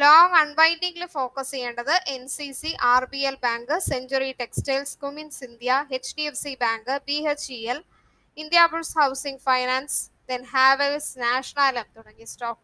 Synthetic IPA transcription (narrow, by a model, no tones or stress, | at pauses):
loːŋɐɳʋɐjnɖiŋɡilfo̞ːkɐsijeːɳɖɐðɨʔensisiʔaːrbielbaːŋɡɨseɲd͡ʑɐɾiʈeksʈelskuminsind̪jaet͡ɕʈiefsibaːŋɡɨbiːet͡ɕiel | ind̪jaːbuɭshɐwsiŋɡfɐjnaːnsd̪enɦaːʋesnaːʂɐɳaːlɐmt̪uɽɐŋːisʈoːk